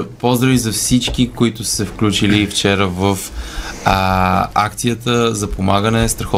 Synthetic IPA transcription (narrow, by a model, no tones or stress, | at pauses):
pozd̪ɾəvizɐfsit͡ʃk̟ikoit̪ʊsɛfklʲut͡ʃilift͡ʃɛɾəvəf | akt̪sijət̪əzɐpomaɡənɛst̪ɾɐxɔ